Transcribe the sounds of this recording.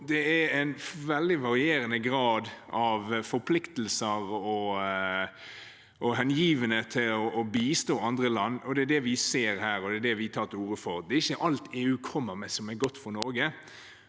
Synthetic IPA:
d̪ɛæɾæɪnʋɛld̪ɪʋɑɾɪeːɾənəɡɾɑːd̪ʔɑʋfɔɾpʰlɪkt̪l̩səɾɔ | ʔɔɦɛnjiːʋənət̪ʰɪlɔʔːbiːst̪oːɑnd̪ɾəlɑnːɔd̪ɛæd̪ɛʋɪseːɾhæːɾɔd̪ɛd̪ɛʋɪt̪ʰɑːt̪ɪuːɾəfɔɾd̪ɛɪçːəʔɑlt̪eːʉːkʰɔmːəɾmɛsɔmɛɡɔt̪ːfɔɾnɔɾɡə

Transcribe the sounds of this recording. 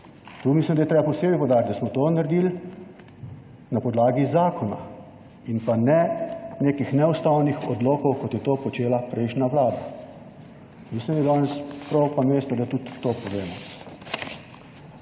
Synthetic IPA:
t̪uːmislʲimd̪ajɛt̪ɾeːbapɔseːbipɔwd̪aːɾʲt̪d̪asmɔt̪oːnaɾd̪il | napɔd̪laːɡizaːkʰɔna̰ | inpanɛneːkixnɛust̪awnixɔd̪loːkɔwkɔt̪jɛt̪oːpɔt͡ʃeːlapɾɛɪʃnaʋlaːd̪a | mislimd̪ajɛd̪ɔnɛspɾɔwpameːst̪ɛd̪at̪ut̪ːoːpɔʋeːmɔ

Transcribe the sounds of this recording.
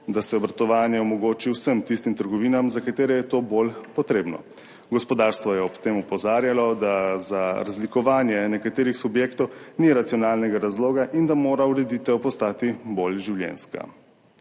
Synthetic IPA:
d̪asɛɔbɾat̪ɔʋaːnjɛɔmɔɡoːt͡ʃiwsəmt̪ist̪imt̪əɾɡɔʋiːnamzakat̪eːɾɛjɛt̪oːbolpɔt̪ɾeːbnɔ̰ | ɡɔspɔd̪aːɾst̪ʋɔjɛɔpt̪eːmupɔzaːɾjalɔd̪azaɾazlikɔʋaːnjɛnɛkat̪eːɾixsubjeːkt̪ɔwniɾat̪sijɔnaːlnɛɡaɾazloːɡaʔind̪amoːɾauɾɛd̪it̪ɛwpɔst̪aːt̪ibolʒiwljɛ̰nska̰

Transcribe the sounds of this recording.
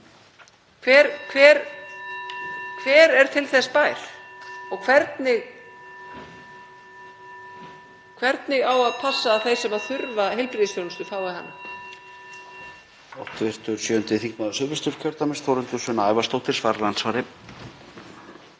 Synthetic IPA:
kʰvɛːɾkʰvɛːɾ | kʰvɛːɾɛɾ̥t̪ʰɪlθɛspaːjɾ̥ɔɣkʰvɛɾt̪nɪɣ | kʰvɛɾt̪nɪɣawaðpʰasːaːθejsɛmaðθʏɾvaɦelpɾiðisfjownʏst̪ʏθawɛɾha̰nːa | ɔwht̪ʏvɪr̥t̪ʏɾ̥sjœːʏnt̪ɪθiŋknaðsœvɪst̪ʏɾ̥cʰœɾt̪amɪnst̪fowɾʏnt̪ʏsvʏnaaːjvast̪owht̪ɪɾ̥svaːɾalant̪svaːɾɪ

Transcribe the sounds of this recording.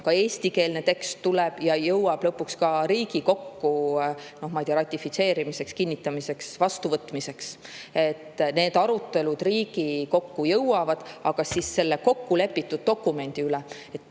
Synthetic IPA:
kɑe̞ːsʲt̪ike̞ːlnet̪e̞kst̪ːuleb̥jɑjɤwɑb̥lɤpːˑukskɑɾiːɡ̥iko̞kːuno̞hmɑjd̪̥ʲijɑɾɑt̪ʲːˑifit̪se̞ːɾimise̞kskinʲːit̪ːˑɑmise̞ksvɑst̪uvɤt̪ːˑmise̞kse̞t̪ːne̞ːd̪̥ɑɾut̪ːˑe̞lud̪̥riːɡ̥iko̞kːujɤwɑvɑd̪̥ɑɡ̥ɑsisːe̞lːeko̞kːule̞pːit̪ːud̪̚d̪o̞kːˑume̞nʲd̪̥iylɛ | et̪ːˑ

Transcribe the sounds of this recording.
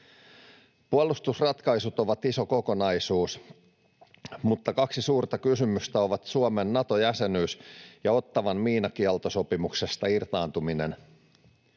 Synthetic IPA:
puolːˑust̪usrɑt̪kɑjsut̪o̞ʋɑt̪iso̞ko̞ko̞nɑjsuːs | mut̪ːɑkɑksisuːrt̪ɑkysymyst̪æo̞ʋɑt̪suomenːɑt̪o̞jæse̞nyːsjɑo̞t̪ːɑʋɑnmiːnɑkiɑlt̪oso̞pimukse̞st̪ɑirt̪ɑːnt̪uminen

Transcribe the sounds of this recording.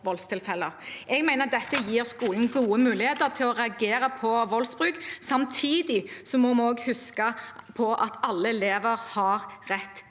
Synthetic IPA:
ʋɔlst̪ʰɪlfɛlːəʔɛɡmæɪnəʁd̪ɛt̪ːəjiːɾskuːln̩ɡuːəmʉːlɪheːt̪əɾt̪ʰɪlɔɾɛɑɡeːɾɑpʰɔʋɔlsbɾʉːksɑmt̪ʰiːd̪ɪsɔmɔmɑɔːɡhʉskɑpʰɔʔɑt̪ʰɑlːəɛleːʋəɾhɑʁʁɛt̪ː

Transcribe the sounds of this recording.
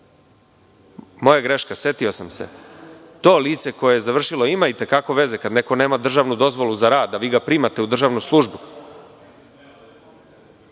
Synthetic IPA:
mo̞jaɡɾe̞ʃkase̞t̪io̞samsḛ | t̪oːliːt̪se̞ko̞jejezaʋr̩ʃilo̞imait̪e̞kako̞ʋe̞ze̞kad̪ne̞ko̞ne̞ːmad̪r̩ʒaʋnud̪o̞zʋo̞luzaɾaːd̪ːaʋiːɡapɾiːmat̪e̞ud̪r̩ʒaːʋnuslˠuʒbu

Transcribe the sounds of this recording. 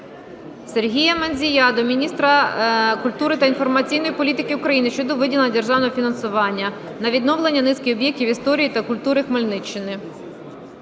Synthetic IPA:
serɦʲijɐmenʲzʲijɑd̪ɔmʲinʲist̪ɾɐkʊlʲt̪uɾɪt̪ɐinfɔrmɐt͡sʲijn̪ɔjipɔlʲit̪ɪkɪʊkɾɐjinɪʃt͡ʃɔd̪ɔʋɪdʲilˠɐnɐd̪erʒɑwnɔɦɔfʲinɐnsʊʋɑnʲːɐ | nɐʋʲid̪nɔwlˠenʲːɐnɪskɪjɔbjɛk̚tʲiʋist̪ɔɾʲijit̪ɐkʊlʲt̪uɾɪxmɐlʲnɪt͡ʃːɪnɪ

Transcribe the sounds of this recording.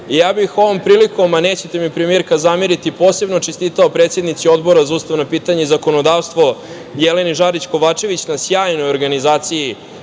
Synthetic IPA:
ijaːbixo̞ʋo̞mpɾiːliko̞maneːt͡ɕet̪e̞mipɾemieɾkazamiɾit̪ipo̞ːse̞bno̞t͡ʃest̪it̪aopɾet̪sje̞d̪nit̪sio̞d̪bo̞ɾazauːst̪aʋnopiːt̪aɲeizako̞no̞d̪aːʋst̪vʋo̞ | jele̞niʒaɾit͡ɕko̞ʋaːt͡ʃe̞ʋit͡ɕnasjaːjno̞jo̞ɾɡanizaːt̪siji

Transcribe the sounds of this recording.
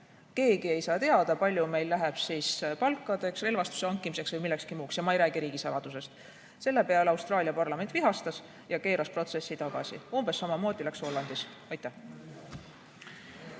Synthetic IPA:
ke̞ːɡ̥ie̞jsɑːt̪e̞ɑd̪̥ɑpɑlʲjume̞jlːæɦeb̥siːspɑlkːˑɑd̪̥e̞ksre̞lvɑst̪u̥seɑŋkːˑimise̞ksvɤjmilːekskimuːksjɑmɑejɾæːɡ̥iɾiːɡ̥isɑlɑd̪̥use̞st̪ | se̞lːe̞pe̞ɑlɑwst̪ɾɑːliɑpɑrlɑment̪viɦɑst̪ɑs | jɑke̞ːɾʔɑspro̞t̪se̞sːit̪ɑɡ̥ɑ̰sḭumb̥e̞sːɑmɑmo̞ːd̪̥ilækso̞lːɑnd̪̥is | ɑjt̪ːˑæh

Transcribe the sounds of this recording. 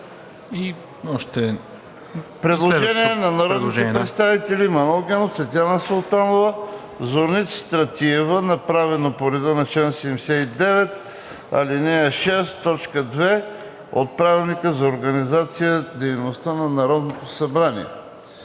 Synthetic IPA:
i | ɔʃt̪ɛ | pɾɛd̪lˠoʒɛniɛnɐnɐɾɔd̪nɛpɾɛt̪st̪avit̪ɛlimɐnolˠɡʲɛnot̪svɛt̪ʲjanəsolˠt̪anovə | zoɾnit̪sst̪ɾɐt̪iɛvənɐpɾavɛnopoɾɛd̪onɐt͡ʃɛnsɛɛmsɛid̪ɛvɛt̪ | ɐ̰linɛəʃɛstt̪ːɔt͡ʃkəd̪vɛ | o̰t̪̚pɾavilˠnikəzɐoɾɡɐnizat̪sijəd̪ɛjnost̪anɐnɐɾɔd̪not̪osɐbɾanḭɛ̰

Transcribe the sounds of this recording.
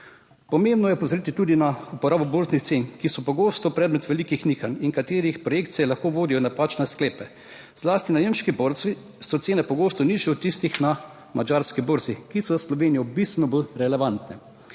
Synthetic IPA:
pɔmembnɔjɛpozɾiːt̪it̪uːd̪inaupɔɾaːbɔboːɾznixt̪seːnkisɔpɔɡoːst̪ɔpɾɛːd̪mɛt̪ʋɛlikixnixaniŋkat̪eːɾixpɾɔjeːk̚t̪sɛɛlaxkoːʋoːd̪ijɔnapaːt͡ʃnɛskleːpɛ | z̥laːst̪inajeːmʃkiboɾt̪sʋi | sɔt̪seːnɛpɔɡoːst̪ɔniʒɛɔt̪ːist̪ixna | mad͡ʒaːɾskiboːɾzikisɔzaslɔʋeːnijɔbist̪ʋɛnɔbolɾɛlɛʋant̪nɛ

